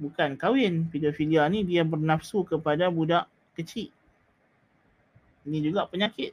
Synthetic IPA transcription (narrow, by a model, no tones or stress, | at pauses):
bukankawɪnpidofilianidiabərnafsukəpadabudaʔ | kət͡ʃiʔ | inĩd͡ʒuɡaʔpəɲakɪt̪̚